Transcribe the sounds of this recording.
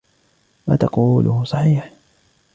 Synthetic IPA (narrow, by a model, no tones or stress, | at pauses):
wat̪ɑquːlʔʊhʊsˤɑħiːħ